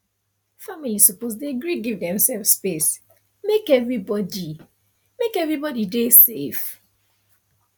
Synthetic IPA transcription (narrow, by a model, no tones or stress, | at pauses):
familisɔpozdeɡɹiɡivdɛ̃msɛlfspes | mekɛvɹibɔdi | mekɛvɹibɔdidesef